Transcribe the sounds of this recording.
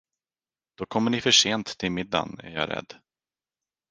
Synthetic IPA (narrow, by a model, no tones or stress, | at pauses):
d̪̥ɔkʰɔmːəɳɪfœʂeːnt̪ːʰɪlmɪd̪ːa̰næ̰ɾjɑ̰ːɾɛ̰d̪ː